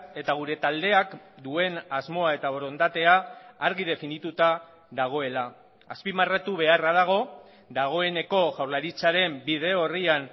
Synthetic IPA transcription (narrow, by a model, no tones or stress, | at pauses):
e̞t̪aɣ̞uɾe̞t̪ald̪e̞akd̪ue̞nazmo̞ae̞t̪aβoɾo̞nd̪at̪e̞aːɾɣið̞e̞finit̪ut̪a | ðaɣ̞o̞e̞la | aspimarat̪uβe̞araðaɣ̞o̞ | d̪aɣ̞o̞e̞ne̞ko̞ʝawɾlaɾit͡saɾe̞mbið̞e̞o̞rian